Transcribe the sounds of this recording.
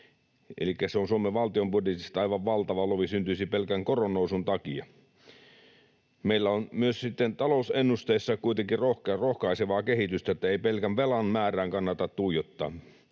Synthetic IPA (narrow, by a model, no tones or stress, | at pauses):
ʔḛlikːæseonsuomeʋɑlt̪iombudjet̪ist̪ɑɑiʋɑʋʋɑlt̪ɑʋɑloʋisynt̪yisipelkæŋkoronːˑousunt̪ɑkiɑ̰ | meilːæonmyøssit̪ːent̪ɑlousenːust̪eisːɑkuit̪eŋkirrohkrohkɑiseʋɑːkehit̪yst̪æot̪ːæeipelkæʋʋelɑnmæːræːŋkɑnːɑt̪ɑt̪t̪uijot̪ːɑ̰ː